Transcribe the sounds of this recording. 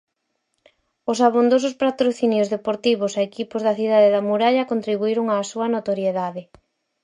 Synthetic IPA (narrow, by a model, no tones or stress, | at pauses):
ʊsaβ̞und̪os̬ʊspat̪ɾoθinjʊzðepoɾt̪iβʊsaekipʊzðɐθiðaðeðɐmuɾaʎɐkont̪ɾiβuiɾʊŋaːsuɐnot̪oɾjeðaðɪ